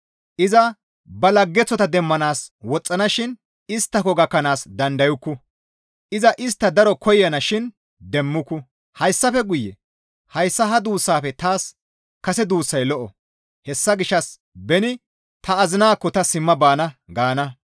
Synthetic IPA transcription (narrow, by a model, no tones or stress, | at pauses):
ʔɪzɐ | bɐlɐɡːɛt͡sːɔt̪ɐd̪ɛmːɐnaːswɔt͡sʼːɐnɐʃɪn | ɪst̪ːɐkɔɡɐkːɐnaːsd̪ɐnd̪ɐjʊkːʊ | ʔɪzɐʔɪs̬t̪ːɐd̪ɐɾɔkʰɔjɐnɐʃɪn | d̪ɛmːʊkːʊ | hɐjsːɐfɛɡʊjːɛ | hɐjsːɐɦɐd̪uːsːaːfɛt̪aːs | kɐsɛd̪uːsːɐjlɔʔɔ | hɛsːɐɡɪʃːɐs | bɛnɪ | t̪ɐːzɪnaːkːɔt̪ɐsɪmːɐbaːnɐɡaːnɐ